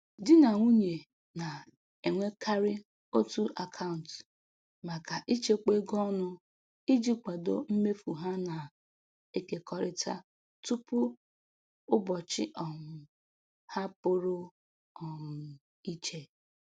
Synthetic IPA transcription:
dɪ˦na˨ŋʷu˦ɲe˨ | na˨ | e˨ŋʷe˦kʰa˦ɾɪ˦ | o˦tu˦ʔa˨kʰa˦ʊ˨n̩˨t | ma˨ka˨ʔi˦t͡ʃe˦k͡pe˦ɡɔ˦nʊ˦ | i˦d͡ʒi˦k͡pa˨do̰˦m̩˦me˦fu˨ɦa˦na˨ | e˦ke˨kɔ˦ɾɪ˦tʰa̰˦ | tu˦pʊ˦ | ʊ˦bɔ˨t͡ʃɪ̰˦ʔɔ˨ŋʊ˨ | ha˦po˦ɾo˦ | ɔ˨ŋʊ˨ | i˦t͡ʃe˦

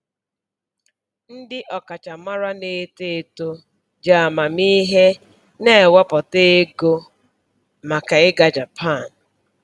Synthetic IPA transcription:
n̩˦dɪ˦ʔɔ˨ka˨t͡ʃa˨ma˦ɾa˦ne˨˦te˦˨to˦ | d͡ʒa˨a˨ma˨mi˦ɦe˦ | ne˦˨wɔ˦pɔ˨te˦e˦ɡo˦ | ma˨ka˨ɪ˦ɡa˨d͡ʒa˨pʰa˦˨n̩˨

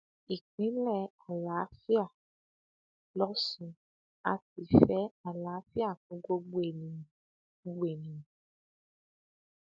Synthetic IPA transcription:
i˨k͡pĩ˨˦lɛ˦˨a˨la˨˦fi˦a˦˨ | lɔ˦sũ˧˦ | a˧ti˨fɛ˨˦a˨la˨˦fi˦a˦˨kũ˨˧˦ɡo˧ɡ͡be˦˨nĩ˨˦ | ɡ͡be˨nĩ˨

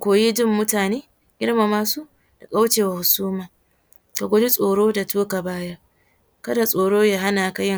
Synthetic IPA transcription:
kʷoː˨jiː˦dʊ˦˨mːʊ˦taː˨neː˦ | ɡʲɪ˦ɽma˨maː˦su˦ | d̥a˨kʼa˦wt͡ʃeː˨wa˨hʊ˨suː˦maː˨ | ka˨ɡʷo˦di˦sʼoː˨ɽoː˦da˨tuː˦ka˨baː˦ja˦ʔ | kɐ˦da˨sʼoː˨ɽoː˦jaː˦˨ɦa˦naː˨ka˨jɪ˦ŋ

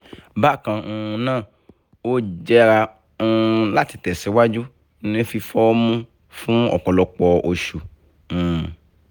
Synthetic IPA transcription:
ba˦˨kã˨˧ũ˧nãː˦˨ | o˦d͡ʒɛ˦ɾa˧ | ũ˧la˦ti˨tɛ˨si˨˧wa˦d͡ʒu˦ | n˦e˦fi˧fɔ˦o˦mũ˦ | fũ˦ɔ̰˨kɔ˨lɔ˨˧k͡pɔ˧ʔo˧ʃũ˨

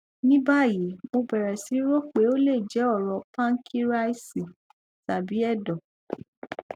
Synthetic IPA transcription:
nĩ˦ba˦˨ji˨˦mo˧bɛ˨ɾɛ˨si˨˦ɾo˦k͡pe˨˦o˦le˦˨d͡ʒɛ˨˦ɔ˦˨ɾɔ˧pã˦ŋ̩˦kʰi˦ɾa˦i˦si˨ | ta˨bi˨˦ɛ˦˨dɔ˨

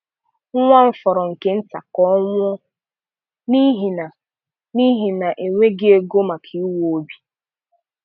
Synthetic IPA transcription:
ŋ̩˦ŋʷa˦ɱ̩˦fɔ˨ɾɔ˨ŋ̩˨ke˦n̩˦ta̰˨kɔ˦ŋʷɔ˦ | ni˦ɦi˨na˨ | ni˦ɦi˨na˨ʔe˨ŋʷe˦ɡɪ˦e˦ɡo˦ma˨kʰi˨i˦wo˨o˦bi̥˨

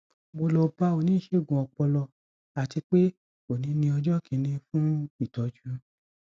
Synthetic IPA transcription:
bo˧lɔ˧pa˧˦o˨nĩ˨˦˨ʃe˦˨ɡũ˨ɔ˧k͡pɔ˧lɔ˧ | a˨ti˧k͡pe˦ | o˨nĩ˨˦nĩ˧ɔ˧d͡ʒɔ˦kʰĩ˨˧˦nĩ˧fũ˦i˦˨tɔ˨˦d͡ʒu˨˦

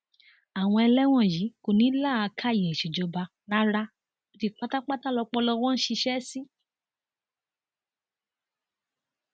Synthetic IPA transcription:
a˨w̃ɔ̃˧ɛ˧lɛ˦w̃ɔ̃˦˨ji˨˦ko˨nĩ˨˦la˦˨a˧kʰa˦˨jɛ̃˨ʃi˨d͡ʒɔ˧ba˧ | na˦ɾa˦ | o˧ti˧k͡pa˦ta˦k͡pa˦ta˦lɔ˧k͡pɔ˧lɔ˧w̃ɔ̃˦ʃi˧ʃɛ˦si˦

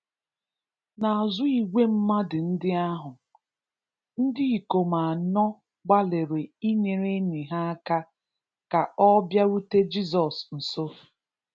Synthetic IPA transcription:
na˨a˨zʊ˦i˨ɡʷe˦m̩˦ma˦dɪ˨n̩˦dɪ˦a˦ɦʊ˨ | n̩˦dɪ˦i˨ko˨ma˨a˨nɔ˦ | ɡ͡ba˦le˨ɾe˨i˦ɲe˨ɾe˦ni˨ɦa˦a˦ka˦ | ka˨ɔ˦bja˦ɾu˦te˦d͡ʒi˦zɔ˨sn̩˨so˦

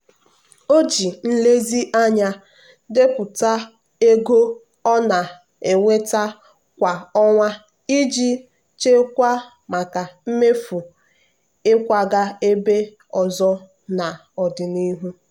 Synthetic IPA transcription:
o˦d͡ʒi˨n̩˦le˦zi˦ʔa˦ɲa˦ | dɪ˦pʊ˨ta˦ | e˦ɡo˦ | ɔ˦na˨ | e˨ŋʷe˦ta˦ | kʷa˨ɔ˦ŋʷa˦ | i˦d͡ʒi˦ | t͡ʃe˦kʷa˦ | ma˨ka˨m̩˦me˦fu˨ | ɪ˦kʷa˨ɡa˦e˦be˦ | ɔ˨zɔ˦ | na˨ | ɔ˨dɪ˨ni˦ɦu˦

